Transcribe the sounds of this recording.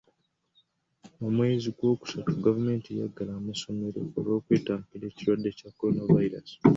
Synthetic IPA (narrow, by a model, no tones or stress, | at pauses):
omwe̞ːziɡwo̞ːku̥satuɡavume̞ːntija̰ɡːalaːmaso̞me̞ɾo̞̰oɾo̞ːkweːtaːmpile̞ːciɾwadːe̞cako̞ɾo̞navaiɾa̰si̥